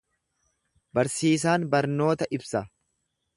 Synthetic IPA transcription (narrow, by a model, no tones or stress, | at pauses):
bɐɾsiːs̬aːnbɐɾno̞ːt̪ɐʔɪbsɐ